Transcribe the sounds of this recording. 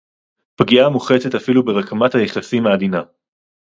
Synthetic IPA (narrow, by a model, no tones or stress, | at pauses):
pɡiamuχetetafilubeʁakamathajeχasimaːd̪ina